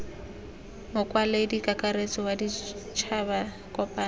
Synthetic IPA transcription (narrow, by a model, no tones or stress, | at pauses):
mʊkʼwaledikʼakʼaɾet͡sʼɔwadit͡ʃʰaba | kʼɔpʼaː